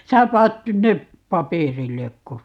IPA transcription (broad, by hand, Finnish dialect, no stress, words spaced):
sæː pɑːt nyn nep pɑpeˑrilːekːo